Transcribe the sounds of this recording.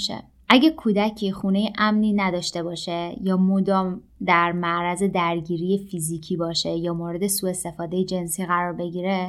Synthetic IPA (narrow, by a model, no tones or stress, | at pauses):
ʃḛ | ʔæɟækʰuːd̪æcʰixuːne̞jeʔæmniːnæd̪ɒːʃt̪e̞bɒːʃejɒːmod̪ɒːm | d̪æɾmæʔɾæze̞d̪æɾɟiːɾijefiziːcʰiːbɒːʃejɒːmoːɾe̞d̪e̞suːe̞st̪e̞fɒːd̪ejed͡ʒe̞nsiːɣæɾɒːɾbe̞ɟiːɾe